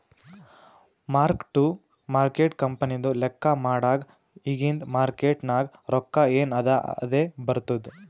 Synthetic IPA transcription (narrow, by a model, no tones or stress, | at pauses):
maːɾkʈu | maːɾkeːʈkɐmpɐnid̪ulɛkːɐmaːɽaːɡ | iɡind̪maːɾkeːʈnaːɡɾɔkːaeːnɐd̪ɐɐd̪eːbɐɾt̪ud̪u